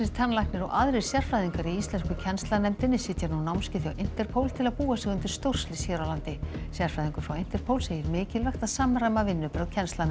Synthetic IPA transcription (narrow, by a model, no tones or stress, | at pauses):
ɪ̥t̪ʰanːlajknɪɾɔ̰wʔaðɾɪɾ̥sjɛr̥fɾajðiŋkaɾiist̪ɛnskʏcʰɛnst̪lanɛmt̪ɪnːɪsɪt̪janunawmscɪθjawʔɪn̥t̪ɛɾ̥pʰowlt̪ʰɪlaðpuːasɛːɣʏnt̪ɪɾ̥st̪owr̥slɪsjɛːɾawlant̪ɪsjɛɾ̥fajðiŋkʏfɾawen̥t̪ɛɾ̥pʰowlseːjɪɾmɪːcɪlvɛxt̪aðsaːmaɾajmavɪnːʏpɾaðcʰɛnst̪lanɛ